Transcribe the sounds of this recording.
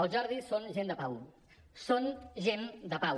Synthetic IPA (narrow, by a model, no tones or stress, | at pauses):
od͡ʒʌɾðisonʒend̪əpaw | sonʒend̪əpaw